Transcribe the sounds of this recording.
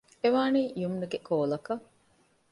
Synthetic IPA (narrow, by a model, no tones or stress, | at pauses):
eʋaːniːjumnuɡekʰoːlɐkɐ